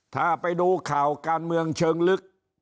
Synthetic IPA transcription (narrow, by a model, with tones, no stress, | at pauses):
t̪ʰaː˧˩pa˧jduː˧kʰaː˨˩wkaː˧nmɯ˧əŋt͡ɕʰɤː˧ŋlɯ˦˥k̚